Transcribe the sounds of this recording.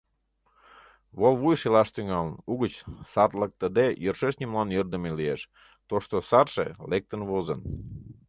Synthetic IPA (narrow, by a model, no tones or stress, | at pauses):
βolβujʃelɑʃt̪yŋɑlənuɣət͡ɕsɑrlək̚t̪əd̪ejərʃeʃnʲimlɑnjørd̪əmelieʃ | t̪oʃt̪osɑrʃḛlek̚t̪ənβozən